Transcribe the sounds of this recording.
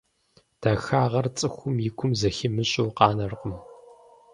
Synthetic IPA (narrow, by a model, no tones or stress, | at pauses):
d̥aːxaːʁɐrt͡sʼɨxʷʊmjɪkʷʰʊmzɐxɪmɨɕʼowqɑːnɐrqʷʊm